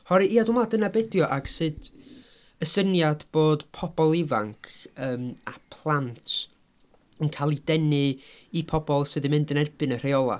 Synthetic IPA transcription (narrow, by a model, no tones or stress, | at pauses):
hɔɾɨʔiːadʊmladənabɛdjɔʔaɡ̥sɨd | əsənjadb̥oːd̥pʰɔb̥ɔlˠɪvaŋkʰəːmapʰlˠantʰ | ənkʰalˠidɛnɨipʰɔbɔlˠsɨðimɪndənɛrb̥ɨnər̥ejɔlˠa̰